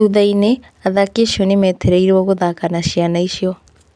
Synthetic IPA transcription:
uðaine | aðakeʃionimɛt̪ʰeɾɛiɾɔɣuðakanaʃianaiʃiɔ

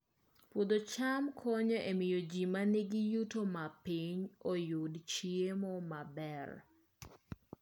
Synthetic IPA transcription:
pwod̪ot͡ʃamkʰɔɲɔʔemɪjod͡ʒimaneɡijutomapiɲojʊdt͡ʃiemɔmabɛr

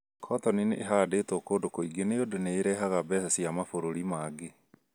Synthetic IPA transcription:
kʰɔtɔnineʔːɦadetoːkoːdokoiɡeneodoneːɾɛɦaɣabɛsasiamafoɾoɾimaːɡe

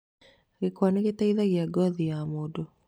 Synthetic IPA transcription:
ɣekwaneɣetaiðaɣjaɡɔðijamodo

